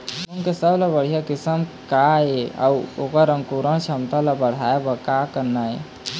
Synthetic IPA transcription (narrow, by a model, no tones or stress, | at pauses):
uŋkesəblabəɽ̤ijakɪsəmkaea̰wokaɾəŋkuɾəɳ̃t͡ʃʰamt̪alabəɽ̤ajebəkakəɾnae